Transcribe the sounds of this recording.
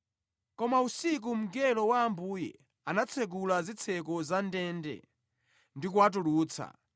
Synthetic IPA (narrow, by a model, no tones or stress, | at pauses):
kɔmausik̬um̩ɡɛlɔwaːmbuːjɛ̰ | anat͡sʰɛɡulazit͡sʰɛk̬ɔzandɛndɛ̰ | ndikuwat̬uluːt͡sʰa̰